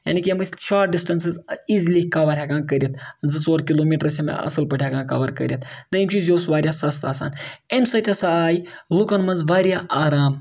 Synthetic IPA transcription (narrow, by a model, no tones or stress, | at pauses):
ja̰ːnikiɐmɐsʲʃaːʈ̚ɖisʈɐnsɨziːzlikaʋɐːɾʲjaːkãːnkɐɾʲit̪̚ʰzɨt͡soːɾkiloːmiːʈɾɐsʲɐmɐ̰ɐ̰sɐlpɐʈʰʲjaːkãːkɐ̰ʋɐɾkɐ̰ɾʲjɐt̪ʰd̪ɐimʲt͡ʃʰizʲjoːsʋaːɾʲjaːsɐst̪a̰ːsa̰ːnemsɐt̪ʰʲɐsaaːji | lukɐnmɐnzʋaːɾjaːʔaːɾaːm